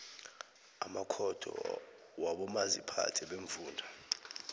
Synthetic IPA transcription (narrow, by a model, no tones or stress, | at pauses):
amakʰɔd̥ʰʱɔ̰ | waɓɔmazipʰa̰tʰɛɓeɱvuːndʱa